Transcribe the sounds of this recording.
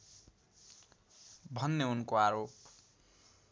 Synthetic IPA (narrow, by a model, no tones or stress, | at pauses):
bʱʌnːeunkoaɾop